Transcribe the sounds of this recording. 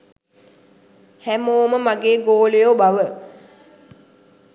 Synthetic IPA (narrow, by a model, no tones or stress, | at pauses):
hæmoːməmaɡeːɡoːlejoːbaʋə